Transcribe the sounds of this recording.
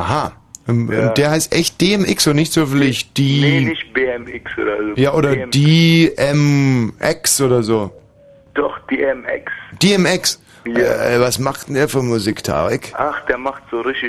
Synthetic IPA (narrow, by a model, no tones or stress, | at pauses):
ʔaha | ʔʊ̰nd̥eːɐhaɪstʔɛçt̚d̥eːɛmʔɪksonɪçtz̥øfn̩lɪçd̥iːnɪçb̥eːɛmɪksʔo̰ːɾɐjaːʔoːdɐ̥eːʔɛmʔɛksʔoːdɐzoː | d̥ɔχd̥eːɛmɛ̰ksd̥eːɛmɪks | vasmaχtn̩diːɐfyɐmuziktʰa̰ːʁɪkʔaχd̥eːɐmaχtz̥oːʁɪtɪ